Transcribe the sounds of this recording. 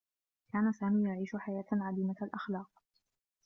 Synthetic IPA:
kaːnasaːmiːjaʕiːʃʊħajaːt̪ʕad̪iːmaalʔaxlɑːq̚

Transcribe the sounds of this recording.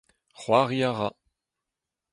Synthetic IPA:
χwaʁiaʁa

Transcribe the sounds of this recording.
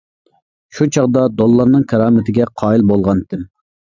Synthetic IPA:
ʃut͡ʃʰɑʁd̪ɑd̪olˠːɑɾnɨŋkʰɑɾɑːmɪt̪ʰɪɡʲɛqʰɑːilbolˠʁɑnt̪ɪm

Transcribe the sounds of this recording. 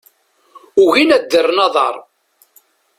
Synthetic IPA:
ʊɣinæd̪ːərːnɑðˤɑ̰ɾˤ

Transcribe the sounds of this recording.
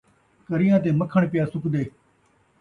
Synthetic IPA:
kəɾɪjãːt̪̬eːməkʰəɳpɪjaːsʊkd̪eː

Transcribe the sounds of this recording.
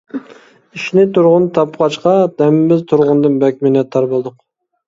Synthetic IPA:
iʃnɪt̪ʰuɾʁʊnt̪ʰɑpqɑt͡ʃqɑd̪̥ɛmɪmɪzt̪ʰʊɾʁʊnd̪ɨnbɛkʲmenɛt̪ʰɑɾbɨlˠd̪ʊq

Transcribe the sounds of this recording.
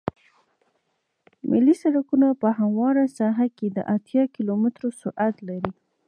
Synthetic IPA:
mɪlːisaɽakunapəhamwɑɾasaɦaked̪ə̰ʔat̪jɑkilomɪt̪ɾosʊʔat̪laɾi

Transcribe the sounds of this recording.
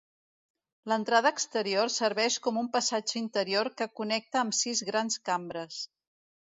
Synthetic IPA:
lənt̪ɾaðəːkst̪əɾiorsəɾβɛʃkɔmumpəsad͡ʒəint̪əɾioɾkəkunɛk̚t̪əːmsizɣɾanskambɾəs

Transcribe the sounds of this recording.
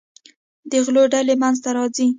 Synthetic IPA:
d̪əɣloɖalemanzt̪aɾɑd͡zi

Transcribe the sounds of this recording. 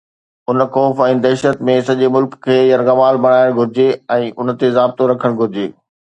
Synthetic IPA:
ʊnxɔːfɛ̃ːd̪ɛːʃət̪mẽsɐʄemʊlkkʰːeːjɐɾɣɐmaːlbɐɽ̃aːɪɽ̃ɡʱʊɾɪd͡ʑeɛ̃ːʔʊnt̪ezaːb̚t̪oɾɐkʰəɽ̃ɡʱʊɾɪd͡ʑeː

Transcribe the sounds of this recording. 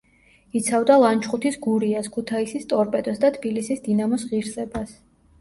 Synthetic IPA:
it̪sʰavd̪alˠant͡ʃʰχʼut̪ʰisɡuɾiaskʰut̪ʰaisist̪ʼɔɾpʼɛd̪ɛsd̪at̪ʰbilisisd̪inamɔsʁiɾsʼɛbas

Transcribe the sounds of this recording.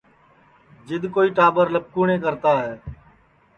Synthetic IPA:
d͡ʒɪd̪koːiːʈaːbəɾləp̚kuːɳẽːk̬əɾt̪aːɦɛː

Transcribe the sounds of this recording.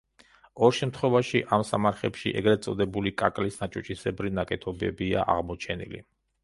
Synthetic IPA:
ɔɾʃɛmt̪ʰχwɛvaʃiʔamsamaɾχɛpʃḭʔɛɡɾɛt̪sʼɔd̪ɛbulikʼakʼlisnat͡ʃʼɔt͡ʃʼisɛbɾinakʼɛt̪ʰɔbɛ̰bia̰ʔa̰ʁmɔt͡ʃʰɛnḭlḭ

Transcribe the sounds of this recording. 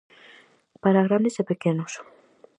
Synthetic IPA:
paɾaɣɾanezepekenos

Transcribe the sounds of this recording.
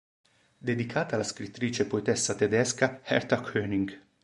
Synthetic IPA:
d̪ed̪ikʰaːt̪alaskɾit̪ːɾiːt͡ʃepoet̪ɛsːat̪ed̪ɛskahɛ̰ɾt̪akʰøːniŋɡ

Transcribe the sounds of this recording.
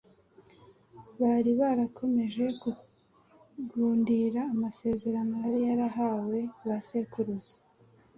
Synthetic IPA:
βaɾiβaɾakʰo̞me̞ʒe̞ku | ɡuːndiɾaːmase̞ːze̞ɾanojaɾijaɾaɦawe̞βase̞kuɾuzḁ

